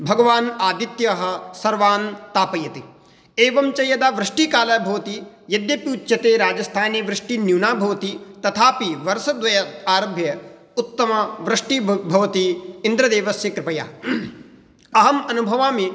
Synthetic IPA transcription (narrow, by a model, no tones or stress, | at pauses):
bʱɐɡɐʋaːnaːd̪it̪jɐɦɐ̆sɐɾʋaːnt̪aːpɐjɐt̪i | eːʋɐmt͡ʃɐjɐd̪aːʋɾɪʂʈikaːlɐbʱɐʋɐt̪i | jɐd̪jɐpiːt̪ːjɐt̪eːɾaːd͡ʒɐst̪ʰaːneʋɾɪʂʈinjuːnaːbʱɐʋɐt̪it̪ɐt̪ʰaːpiʋɐɾsɐd̪ʋɐjɐt̪aːɾɐbʱjɐ | ut̪ːɐmɐʋɾɪʂʈibʱɐʋɐt̪iind̪ɾɐd̪eːʋɐsjɐkɾɪpɐja̰ː | ɐɦɐmɐnubʱɐʋaːmi